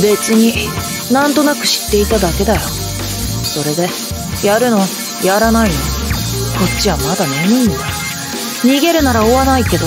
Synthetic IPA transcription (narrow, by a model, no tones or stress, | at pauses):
be̞t͡sɨɲ̟i | nãnt̪o̞nakɯ̟̥ɕi̥t̪ːe̞it̪ad̪ake̞d̪ajo̞ | so̞ɾe̞d̪e̞ | jaɾɯ̟no̞β | jaɾanaino | ko̞tt͡ɕːiβamad̪aneɲʲĩnd̪a | ɲ̟iɡe̞ɾɯ̟naɾaoβanaike̞d̪o